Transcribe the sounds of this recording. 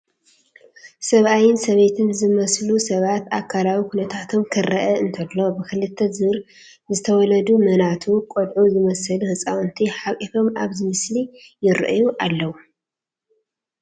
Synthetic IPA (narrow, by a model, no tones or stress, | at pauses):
sɐβʔajɪnsɐβe̞t̪ʰɨnzɨmɐslusɐβat̪ʔakʰalawikʰunɐt̪ʰat̪ʰo̞mkʰɨɾɐʔɐɨnt̪ʰɐlːo̞bɨkɨlɨt̪ʰːɐzɨɾ | zɨt̪ʰɐwɔlɐd̪umɐnat̪ʰukʼod̪ʕujɨmɐsɐluhɨsʼawnt̪ʰiħakʼifo̞maβzɨmɨslijɪɾ̰ʔjuʔalːɐwu